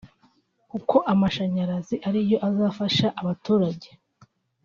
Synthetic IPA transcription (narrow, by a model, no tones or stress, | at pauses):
kukʰo̞ʔamaʃaɲaɾaziʔaɾijo̞ʔazaːfaʃaʔaβatuːɾaɟe